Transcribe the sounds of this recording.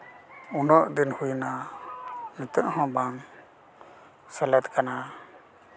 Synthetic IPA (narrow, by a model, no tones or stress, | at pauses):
unɔʔd̪inhujna | nɛt̪əʔhɔ̃baŋ | sɛlɛt̪kana